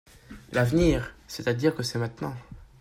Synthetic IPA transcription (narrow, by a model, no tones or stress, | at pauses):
lavniːʁsɛt̪ad̪iʁkəsɛmɛ̃t̪nɑ̃